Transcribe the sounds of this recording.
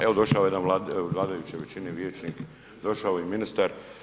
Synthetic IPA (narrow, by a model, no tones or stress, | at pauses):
eʋo̞d̪o̞ʃaoje̞d̪anʋlalˠaːd̪ajut͡ɕeʋet͡ɕineʋjeːt͡ʃniːk | d̪o̞ʃaojiminist̪aɾ